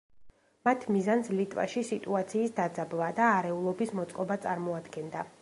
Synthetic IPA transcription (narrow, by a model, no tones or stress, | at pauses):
mat̪ʰmizanslit̪ʼva̰ʃisit̪ʼuat̪sʰiːsd̪ad̪zablˠad̪aːɾɛulˠɔbismɔt̪sʼqʼɔbat̪sʼaɾmɔad̪ɡɛnd̪a